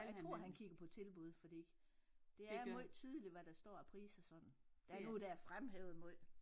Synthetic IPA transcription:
jt͡sʰʁo̝ɐ̰ɦænkʰiɡ̥ɐpʰɒ̽t͡sʰe̝lb̥uð̞ˠfɒ̽d̥ḭ | d̥e̝æimoð̰ˠt͡sʰið̞ˠəliʋæd̥æsd̥ɒ̰ːæpʰʁḭːsɐsɒ̽d̥n̩d̥æɐnod̥æɐfʁamɦeʊð̩ˠmɔð̰ˠ

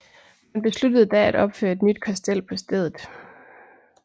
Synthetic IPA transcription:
mænb̥e̝slud̥əð̞̩ˠd̥ææɾ̥ɒ̽b̥fø̰ːɐe̝d̥nyd̥kʰɑsd̥el̰pʰɒ̽sd̥eð̞ˠð̩ˠ

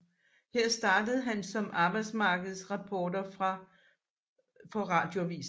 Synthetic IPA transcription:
heɐ̰sd̥ɑ̈ːd̥əð̞̩ˠɦænsɒ̽mɑ̈ːb̥ɑ̈ɪd̥smɑ̈ːɡ̥əð̞̩ˠsʁɑ̈pʰɒːd̥ɐfʁɑ | fɒ̽ʁɑ̈d̥jo̝æʋḭːs

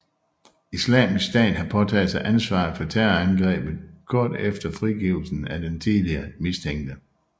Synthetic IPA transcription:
islɛ̰ːmisd̥ɛ̰ːnɦɑ̈pʰɒ̽t͡sʰɛːðˠsɑ̈ɪʔænsʋɑ̰̈ð̩ˠfɒ̽t͡sʰæɐænɡ̥ʁɛ̰ːb̥ð̞̩ˠɡ̥ʰɒ̰ːd̥efd̥ɐfʁiɡ̥iʊl̩sn̩æd̥ent͡sʰiðˠliɐmist͡sʰeŋ̰ɡ̥d̥ə

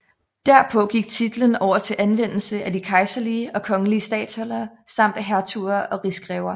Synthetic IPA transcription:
d̥æɐ̰pʰɔ̽ɡ̥iɡ̥̚t͡sʰid̥lənɒʊ̰ɐt͡sʰe̝lʔænʋen̰l̩səʔædikʰɑ̈ɪsɐliəɒ̽kʰɒ̽ŋəliəsd̥ɛ̰ːd̥sɒlɐ | sɑ̈m̰d̥æɦæɐt͡sʰuɐʔɒ̽ʁisɡ̥ʁɛʊɐ

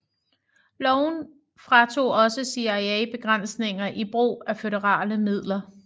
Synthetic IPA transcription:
lɒʊn | fʁɑ̈t͡sʰo̝̰ːɒ̽səsiæɪɛɪb̥e̝ɡ̥ʁɑn̰sne̝ŋɐʔib̥ʁṵːæføɾɐʁɑ̰̈ːləmið̞̰ˠlɐ

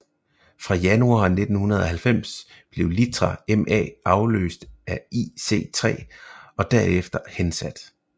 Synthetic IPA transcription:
fʁɑ̈jænuɑ̰̈ːne̝d̥n̩hunɐð̞ˠɒ̽hælfem̰s | b̥le̝ʊlit͡sʰʁɑemʔɛ̰ːʔɑ̈ʊlø̰ːsd̥æise̝̰ːt͡sʰʁɛ̰ːɒ̽d̥æɐ̰efd̥ɐhensæd̥

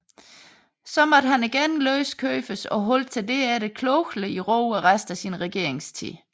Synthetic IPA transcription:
sɒ̽mɒ̽d̥ɦæniɡ̥enløːskʰøːfəsɒ̽ɦɔ̽l̰̥̚t͡sʰe̝ld̥e̝æɾe̝kʰlɔʊɡ̥ləiʁɔʊæʁasd̥æsinʁɛɡ̥e̝ɐe̝ŋst͡sʰḭː

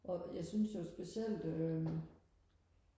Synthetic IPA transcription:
ʔɒ̽jɑ̈ɪsynsjosb̥esel̰d̥ømæ

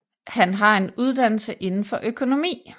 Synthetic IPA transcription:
hænɦɑ̈e̝nuð̞ˠd̥æn̰l̩səʔe̝nn̩fɒ̽ʔøkʰo̝no̝mḭː

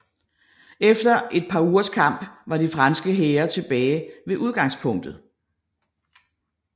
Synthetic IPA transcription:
efd̥ɐʔe̝d̥̚pʰɑ̈uːɐskʰɑ̈m̰b̥ʋɑ̈difʁɑnsɡ̥əɦeːɐt͡sʰe̝b̥ɛːɪʋe̝ʔuð̞ˠɡ̥ɑ̈ŋspʰɔ̽ŋ̰d̥ð̩ˠ

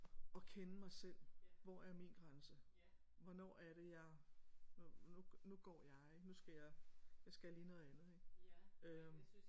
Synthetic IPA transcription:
ɒ̽kʰenəmɑ̈ɪsel̰ʋɒæɐminɡ̥ʁansə | ʋɒ̽nɒ̰ːæɐɾe̝jɑ̈ɪnununuɡ̥ɒ̰ːjɑ̈ɪeɡ̥nusɡ̥æjɑ̈ɪjɑ̈ɪsɡ̥æliːnɔ̽ːð̞̩ˠænð̞̩ˠeɡ̥ø

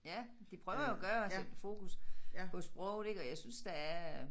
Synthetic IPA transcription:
jæ | d̥ipʰʁœʊɐjoɡ̥ɶːɐed̥fo̝̰ːkʰuspʰɒ̽sb̥ʁɔʊ̰ɾeɡ̥ɒ̽jɑɪsynsd̥ææɐ

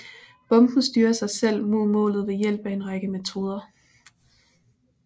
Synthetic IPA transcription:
b̥ɒ̽mb̥n̩sd̥yːɐsɑ̈ɪsel̰mo̝ð̰ˠmɔ̰̽ːlð̞̩ˠejel̰b̥æe̝nʁɑ̈ɡ̥əmet͡sʰo̝ːð̞ˠɐ

